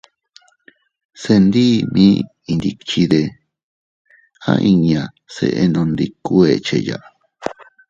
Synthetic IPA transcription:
se˧nd̪i˦mĩː˦ | i˧nd̪i˧t͡ʃi˧ðe˧ | ã̰˦˧ʔi˧ɲã˧ | sḛ˧ʔe˧nõ˧nd̪i˧ku˦e˧t͡ʃe˧ja˧˨ʔa˧

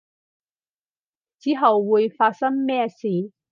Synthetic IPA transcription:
t͡siː˨˥ɦɐ˨wːuː˨˧jfaː˧t̚sɐ˥ŋmɛː˥siː˨˧

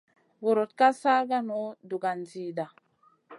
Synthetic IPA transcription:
wo˨ɾo˨t̚ka˦sa˦ɡa˦no˦du˨ɡa˨n˨ziː˨da˨

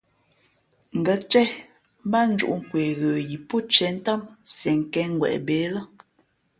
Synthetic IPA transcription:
ŋ̩˨ɡə˨˦t͡ʃɛ˦ | m˦ba˦n̩˦d͡ʒṵ˦ʔŋ̩˦˨kwe˨ɣə˨ji˨po˦t͡ʃɛ˨˦n̩˦ta˦msɛ˨ŋ˨kɛ˦ŋ˦ɡwɛ̰˨ʔbe˨˦lə˦

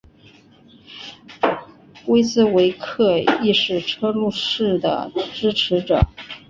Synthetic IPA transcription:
we˥ɪt͡sɹ̩˥we˧˥ɪkʰɤ˥˧i˥˧ʂɻ̩˥˩ʈ͡ʂʰɤ˥lu˥˧ʂɻ̩˥˩d̪ə̰˩ʈ͡ʂɻ̩˥ʈ͡ʂʰɻ̩˧˥ʈ͡ʂɤ̰˨˩˦

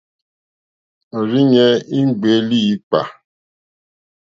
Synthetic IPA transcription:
ɾi˦ɲɛ˦i˦ŋ͡m̩˦ɡ͡be˨˦li˦˨i˦k͡pa̰˨

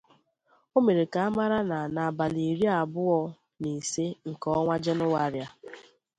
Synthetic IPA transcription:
o˦me˨ɾe˨ka˨a˦ma˦ɾa˦na˨na˨ba˨li˨ɾja˦˨a˨bʊ˦ɔ˦ | ni˨se˦ŋ̩˨kɔ˦ŋʷa˦d͡ʒe˦nʊ˦wa˦ɾja˦

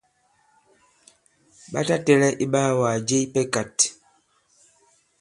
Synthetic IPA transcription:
ɓa̰˦ta˦tɛ˦lɛ˦ʔi˦ɓaː˦waː˨d͡ʒe˦i˦pɛ˦ka˨t

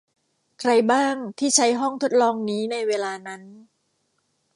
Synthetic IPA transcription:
kʰɾa˧jbaː˥˩ŋt̪ʰiː˥˩t͡ɕʰa˦˥jɦɔ˥˩ŋt̪ʰo˦˥t̪̚lɔː˧ŋniː˦˥na˧jweː˧laː˧na˦˥n

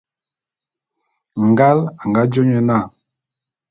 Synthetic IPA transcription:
ŋ̩˨ɡa˦la˨ŋ˨ɡa˦d͡ʒo˦ɲɛ˦na˦˨

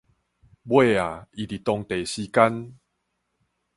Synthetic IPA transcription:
bwe˥˧˨a˨i˨t̪i˨˩t̪ɔ˧ŋt̪e˨˩ɕi˧ka˦n

